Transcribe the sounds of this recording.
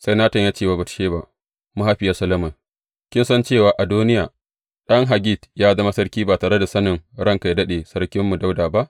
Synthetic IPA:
sa˦jnaː˦tɐ˨ɲjaː˦t͡ʃeː˦˨ba˨ba˨tʃeː˦ba˦ʔ | mu˦ha˦ɸɪ˨ja˦sɐ˦lɐ˦mɐ˨ | kʲɪ˦nsɐ˦nt͡ʃeː˦˨waː˨ʔa˨duː˦nɪ˦jaː˨ | ɗɐ˦ŋɦa˨ɡʲi˦˨tjaː˦zɐ˦ma˦sɐ˦ɽkʲiː˦baː˨taː˨ɽe˦da˨sɐ˦nɪ˨ŋɽɐ˦ŋka˨jdɐ˦ɗeː˨sɐ˦ɽkʲɪ˦mːu˨da˦wdaː˨ba˦ʔ

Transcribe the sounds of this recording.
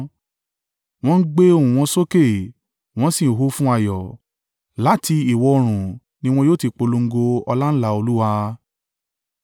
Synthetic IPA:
w̃ɔ̃˦n̩˦ɡ͡be˦õ˦˨ũ˨w̃ɔ̃˧so˦ke˦˨ | w̃ɔ̃˧˦sĩ˦˨ɦo˦fũ˦a˦˨jɔ˨ | la˨˦ti˧i˨wɔ˧o˧ɾ̃ũ˨ | nĩ˧w̃ɔ̃˧joː˦˨ti˧k͡po˧lo˧ŋ̩˦ɡo˧ɔ˧la˦n̩˦la˧o˧lu˦wa˧

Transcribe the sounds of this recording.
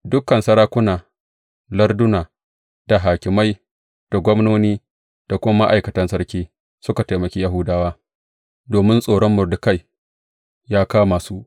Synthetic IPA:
dʊ˦kːɐ˨nsɐ˦ɾaː˦kʷʊ˦naː˨ | lɐ˦rdʊ˦naː˨ | d̥a˨ɦaː˨kʲɪ˨ma˦j | d̥a˨ɡʷɔ˦mnoː˦niː˦ | d̥a˨kʷʊ˦ma˦ma˦ʔa˨jkɐ˨tɐ˦nsɐ˦rkʲiː˦ | sʊ˦ka˨ta˨mɐ˨kʲiː˦ja˦ɦʊ˦daː˦waː˦ | doː˨mɪ˦nsʼoː˨ɽɔ˦mːʊ˨rdʊ˨ka˦˨j | jaː˦kaː˦maː˨su˦ʔ

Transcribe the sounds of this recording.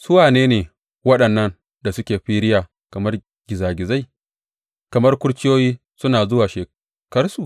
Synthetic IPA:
sʊ˦waː˨neː˦neː˨ | wɐ˦ɗɐ˨nːɐ˦n | da˨sʊ˦kʲeː˨ɸiː˦ɾɪ˦jaː˨ | kɐ˨mɐ˦r | ɡ̥ʲɪ˨zaː˨ɡʲɪ˨za˦j | kɐ˨mɐ˦rkʷʊ˦ɽt͡ʃʲɪ˦joː˦jiː˦ | sʊ˦naː˨zʊ˦waː˨ʃeː˨ | kɐ˦rsu˨ʔ

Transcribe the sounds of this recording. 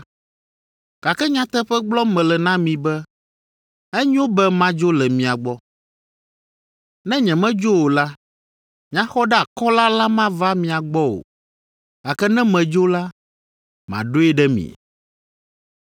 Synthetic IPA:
ka˨kɛ˦ɲã˦t̪ɛ˦ɸɛ˦ɡ͡blɔ˦mɛ̃˨lɛ˨nã˦mĩ˨bɛ˦ | ɛ˦ɲ˦õ˦bɛ˦mã˦d͡ʒo˦lɛ˨mĩ˨a˨ɡ͡bɔ˦ | nɛ̃˦ɲɛ̃˨mɛ̃˦d͡ʒo˦wo˨la˦ | mĩ˨˦ã˦xɔ˦ɖɛ˦a˨kɔ˦la˦la˦mã˦va˦mĩ˨a˨ɡ͡bɔ˦o̰˨ | ka˨kɛ˦nɛ̃˦mɛ̃˨d͡ʒo˦la˦ | mã̰˨ɖo˦ɛ˦ɖɛ˦mḭ̃˨

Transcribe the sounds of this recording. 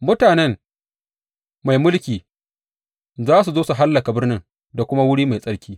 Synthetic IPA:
mʊ˦taː˨nɛ˦ŋ | ma˨jmʊ˦lkʲiː˨ | zaː˦s̬u˨zoː˦su˨ɦa˦lːɐ˨ka˨bɪ˦rnɪ˦ŋ | da˨kʷʊ˦ma˦wʊ˦ɽiː˦ma˨jsʼɐ˦ɽkʲiː˦

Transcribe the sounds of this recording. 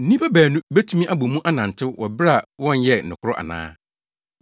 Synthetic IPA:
n̩˦nĩ˦pa˦bæː˨nũ˦be˦tʰu˦mĩ˦ʔa˦bo˨mũ˦ʔa˦nã˨n˨tʰɪ˦wɔ˨bɾa˨wɔ̃˦˨njɛ˦n̩˨ɪ̃˨kʰʊ˦ɾʊ˦ʔa̰˨nã̰ː˦

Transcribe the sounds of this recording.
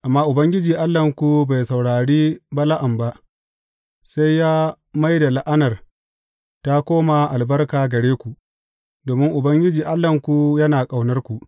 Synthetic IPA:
ʔa˨mːaː˦ʔʊ˨bɐ˦ŋɡʲɪ˦d͡ʒiː˨ʔa˦lːɐ˨ŋkʷu˨ba˨jsa˨wɽaː˨ɽiː˦ba˦la˦ʔa˨mba˦ʔ | sa˦jːaː˦ | ma˦jda˨la˦ʔa˦nɐ˨r | ta˦kʷoː˦ma˨ʔa˨lbɐ˦rkaː˨ɡɐ˨ɽeː˦kʷu˨ | doː˨mɪ˦ŋʔʊ˨bɐ˦ŋɡʲɪ˦d͡ʒiː˨ʔa˦lːɐ˨ŋkʷu˨jɐ˦naː˨kʼa˨wnɐ˦rkʷu˨ʔ

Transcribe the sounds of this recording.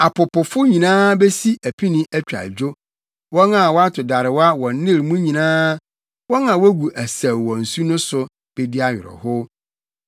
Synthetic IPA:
a˨pʰʊ˨pʊ˨fʊ˦ɲĩ˨nãː˦be˦si˦æ˨pʰi˦nɪ̃˦ʔæ˦t͡ɕᶣa̰˨d͡ʑᶣo˦ | wɔ˦na˨wɔ˦a˦tʰʊ˨da˨ɾɪ˨wa˦wɔ̃˨n˦nɪ̃˦˨ɾmũ˦ɲĩ˨nãː˦ | wɔ̃˦ŋã˨wɔ˦ɡu˨ʔæ˨sæ˨wwɔ̃˨n̩˨su˦nʊ̃˦sʊ˨ | b̥e˨di˦a˦jɾɔ̰˨hʊ˦

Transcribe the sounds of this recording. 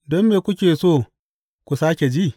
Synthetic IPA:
dɔ˦mːeː˨kʷʊ˦kʲeː˨soː˦˨ | kʷu˨saː˦kʲe˨d͡ʒi˦ʔ

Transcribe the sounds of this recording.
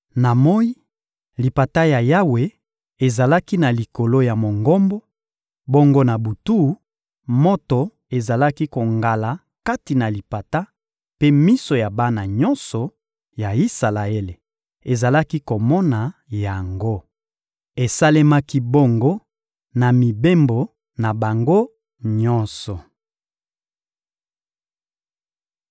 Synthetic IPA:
na˨mo˦i˦ | li˨pa˨ta˦ja˨ja˦we˨ | e˨za˨la˦ki˦na˨li˨ko˨lo˦ja˨mo˨ŋɡɔ˦mbo˦ | bo˦ŋɡo˦na˨bu˨tu˦ | mo˦to˨ | e˨za˨la˦ki˦ko˨ŋɡa˨la˨ | ka˦ti˨na˨li˨pa˨ta˦ | pe˦mi˦so˨ja˨ba˦na˨ɲɔ˦nsɔ˨ | ja˨i˦sa˨la˨e˦le˨ | e˨za˨la˦ki˦ko˨mɔ˦na˨ja˨ŋɡo˦ | e˨sa˦le˦ma˦ki˦bo˦ŋɡo˦ | na˨mi˨be˦mbo˨ | na˨ba˨ŋɡo˦ | ɲɔ˦nsɔ˨

